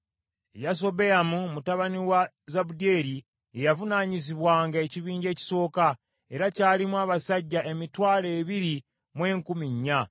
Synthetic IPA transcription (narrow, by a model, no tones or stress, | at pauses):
ejas̬o̞βe̞jamumutaβaniwa | zaβude̞ɾi | ejavunaɲiziβwaːŋɡae̞ciβiːɲɟe̞ːci̥so̞ːka | e̞ɾacaːlimwaːβasaɟːae̞mitwaːle̞ːβiɾi | mwe̞ːŋkumiɲːa